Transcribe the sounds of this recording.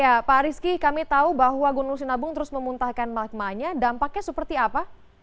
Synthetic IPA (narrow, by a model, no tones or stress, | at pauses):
japaɾiskikamit̪aubaɦwaɡunuŋsinabʊŋt̪əɾʊsməmunt̪ahkanmak̚maɲadampak̚ɲasəpərt̪iapa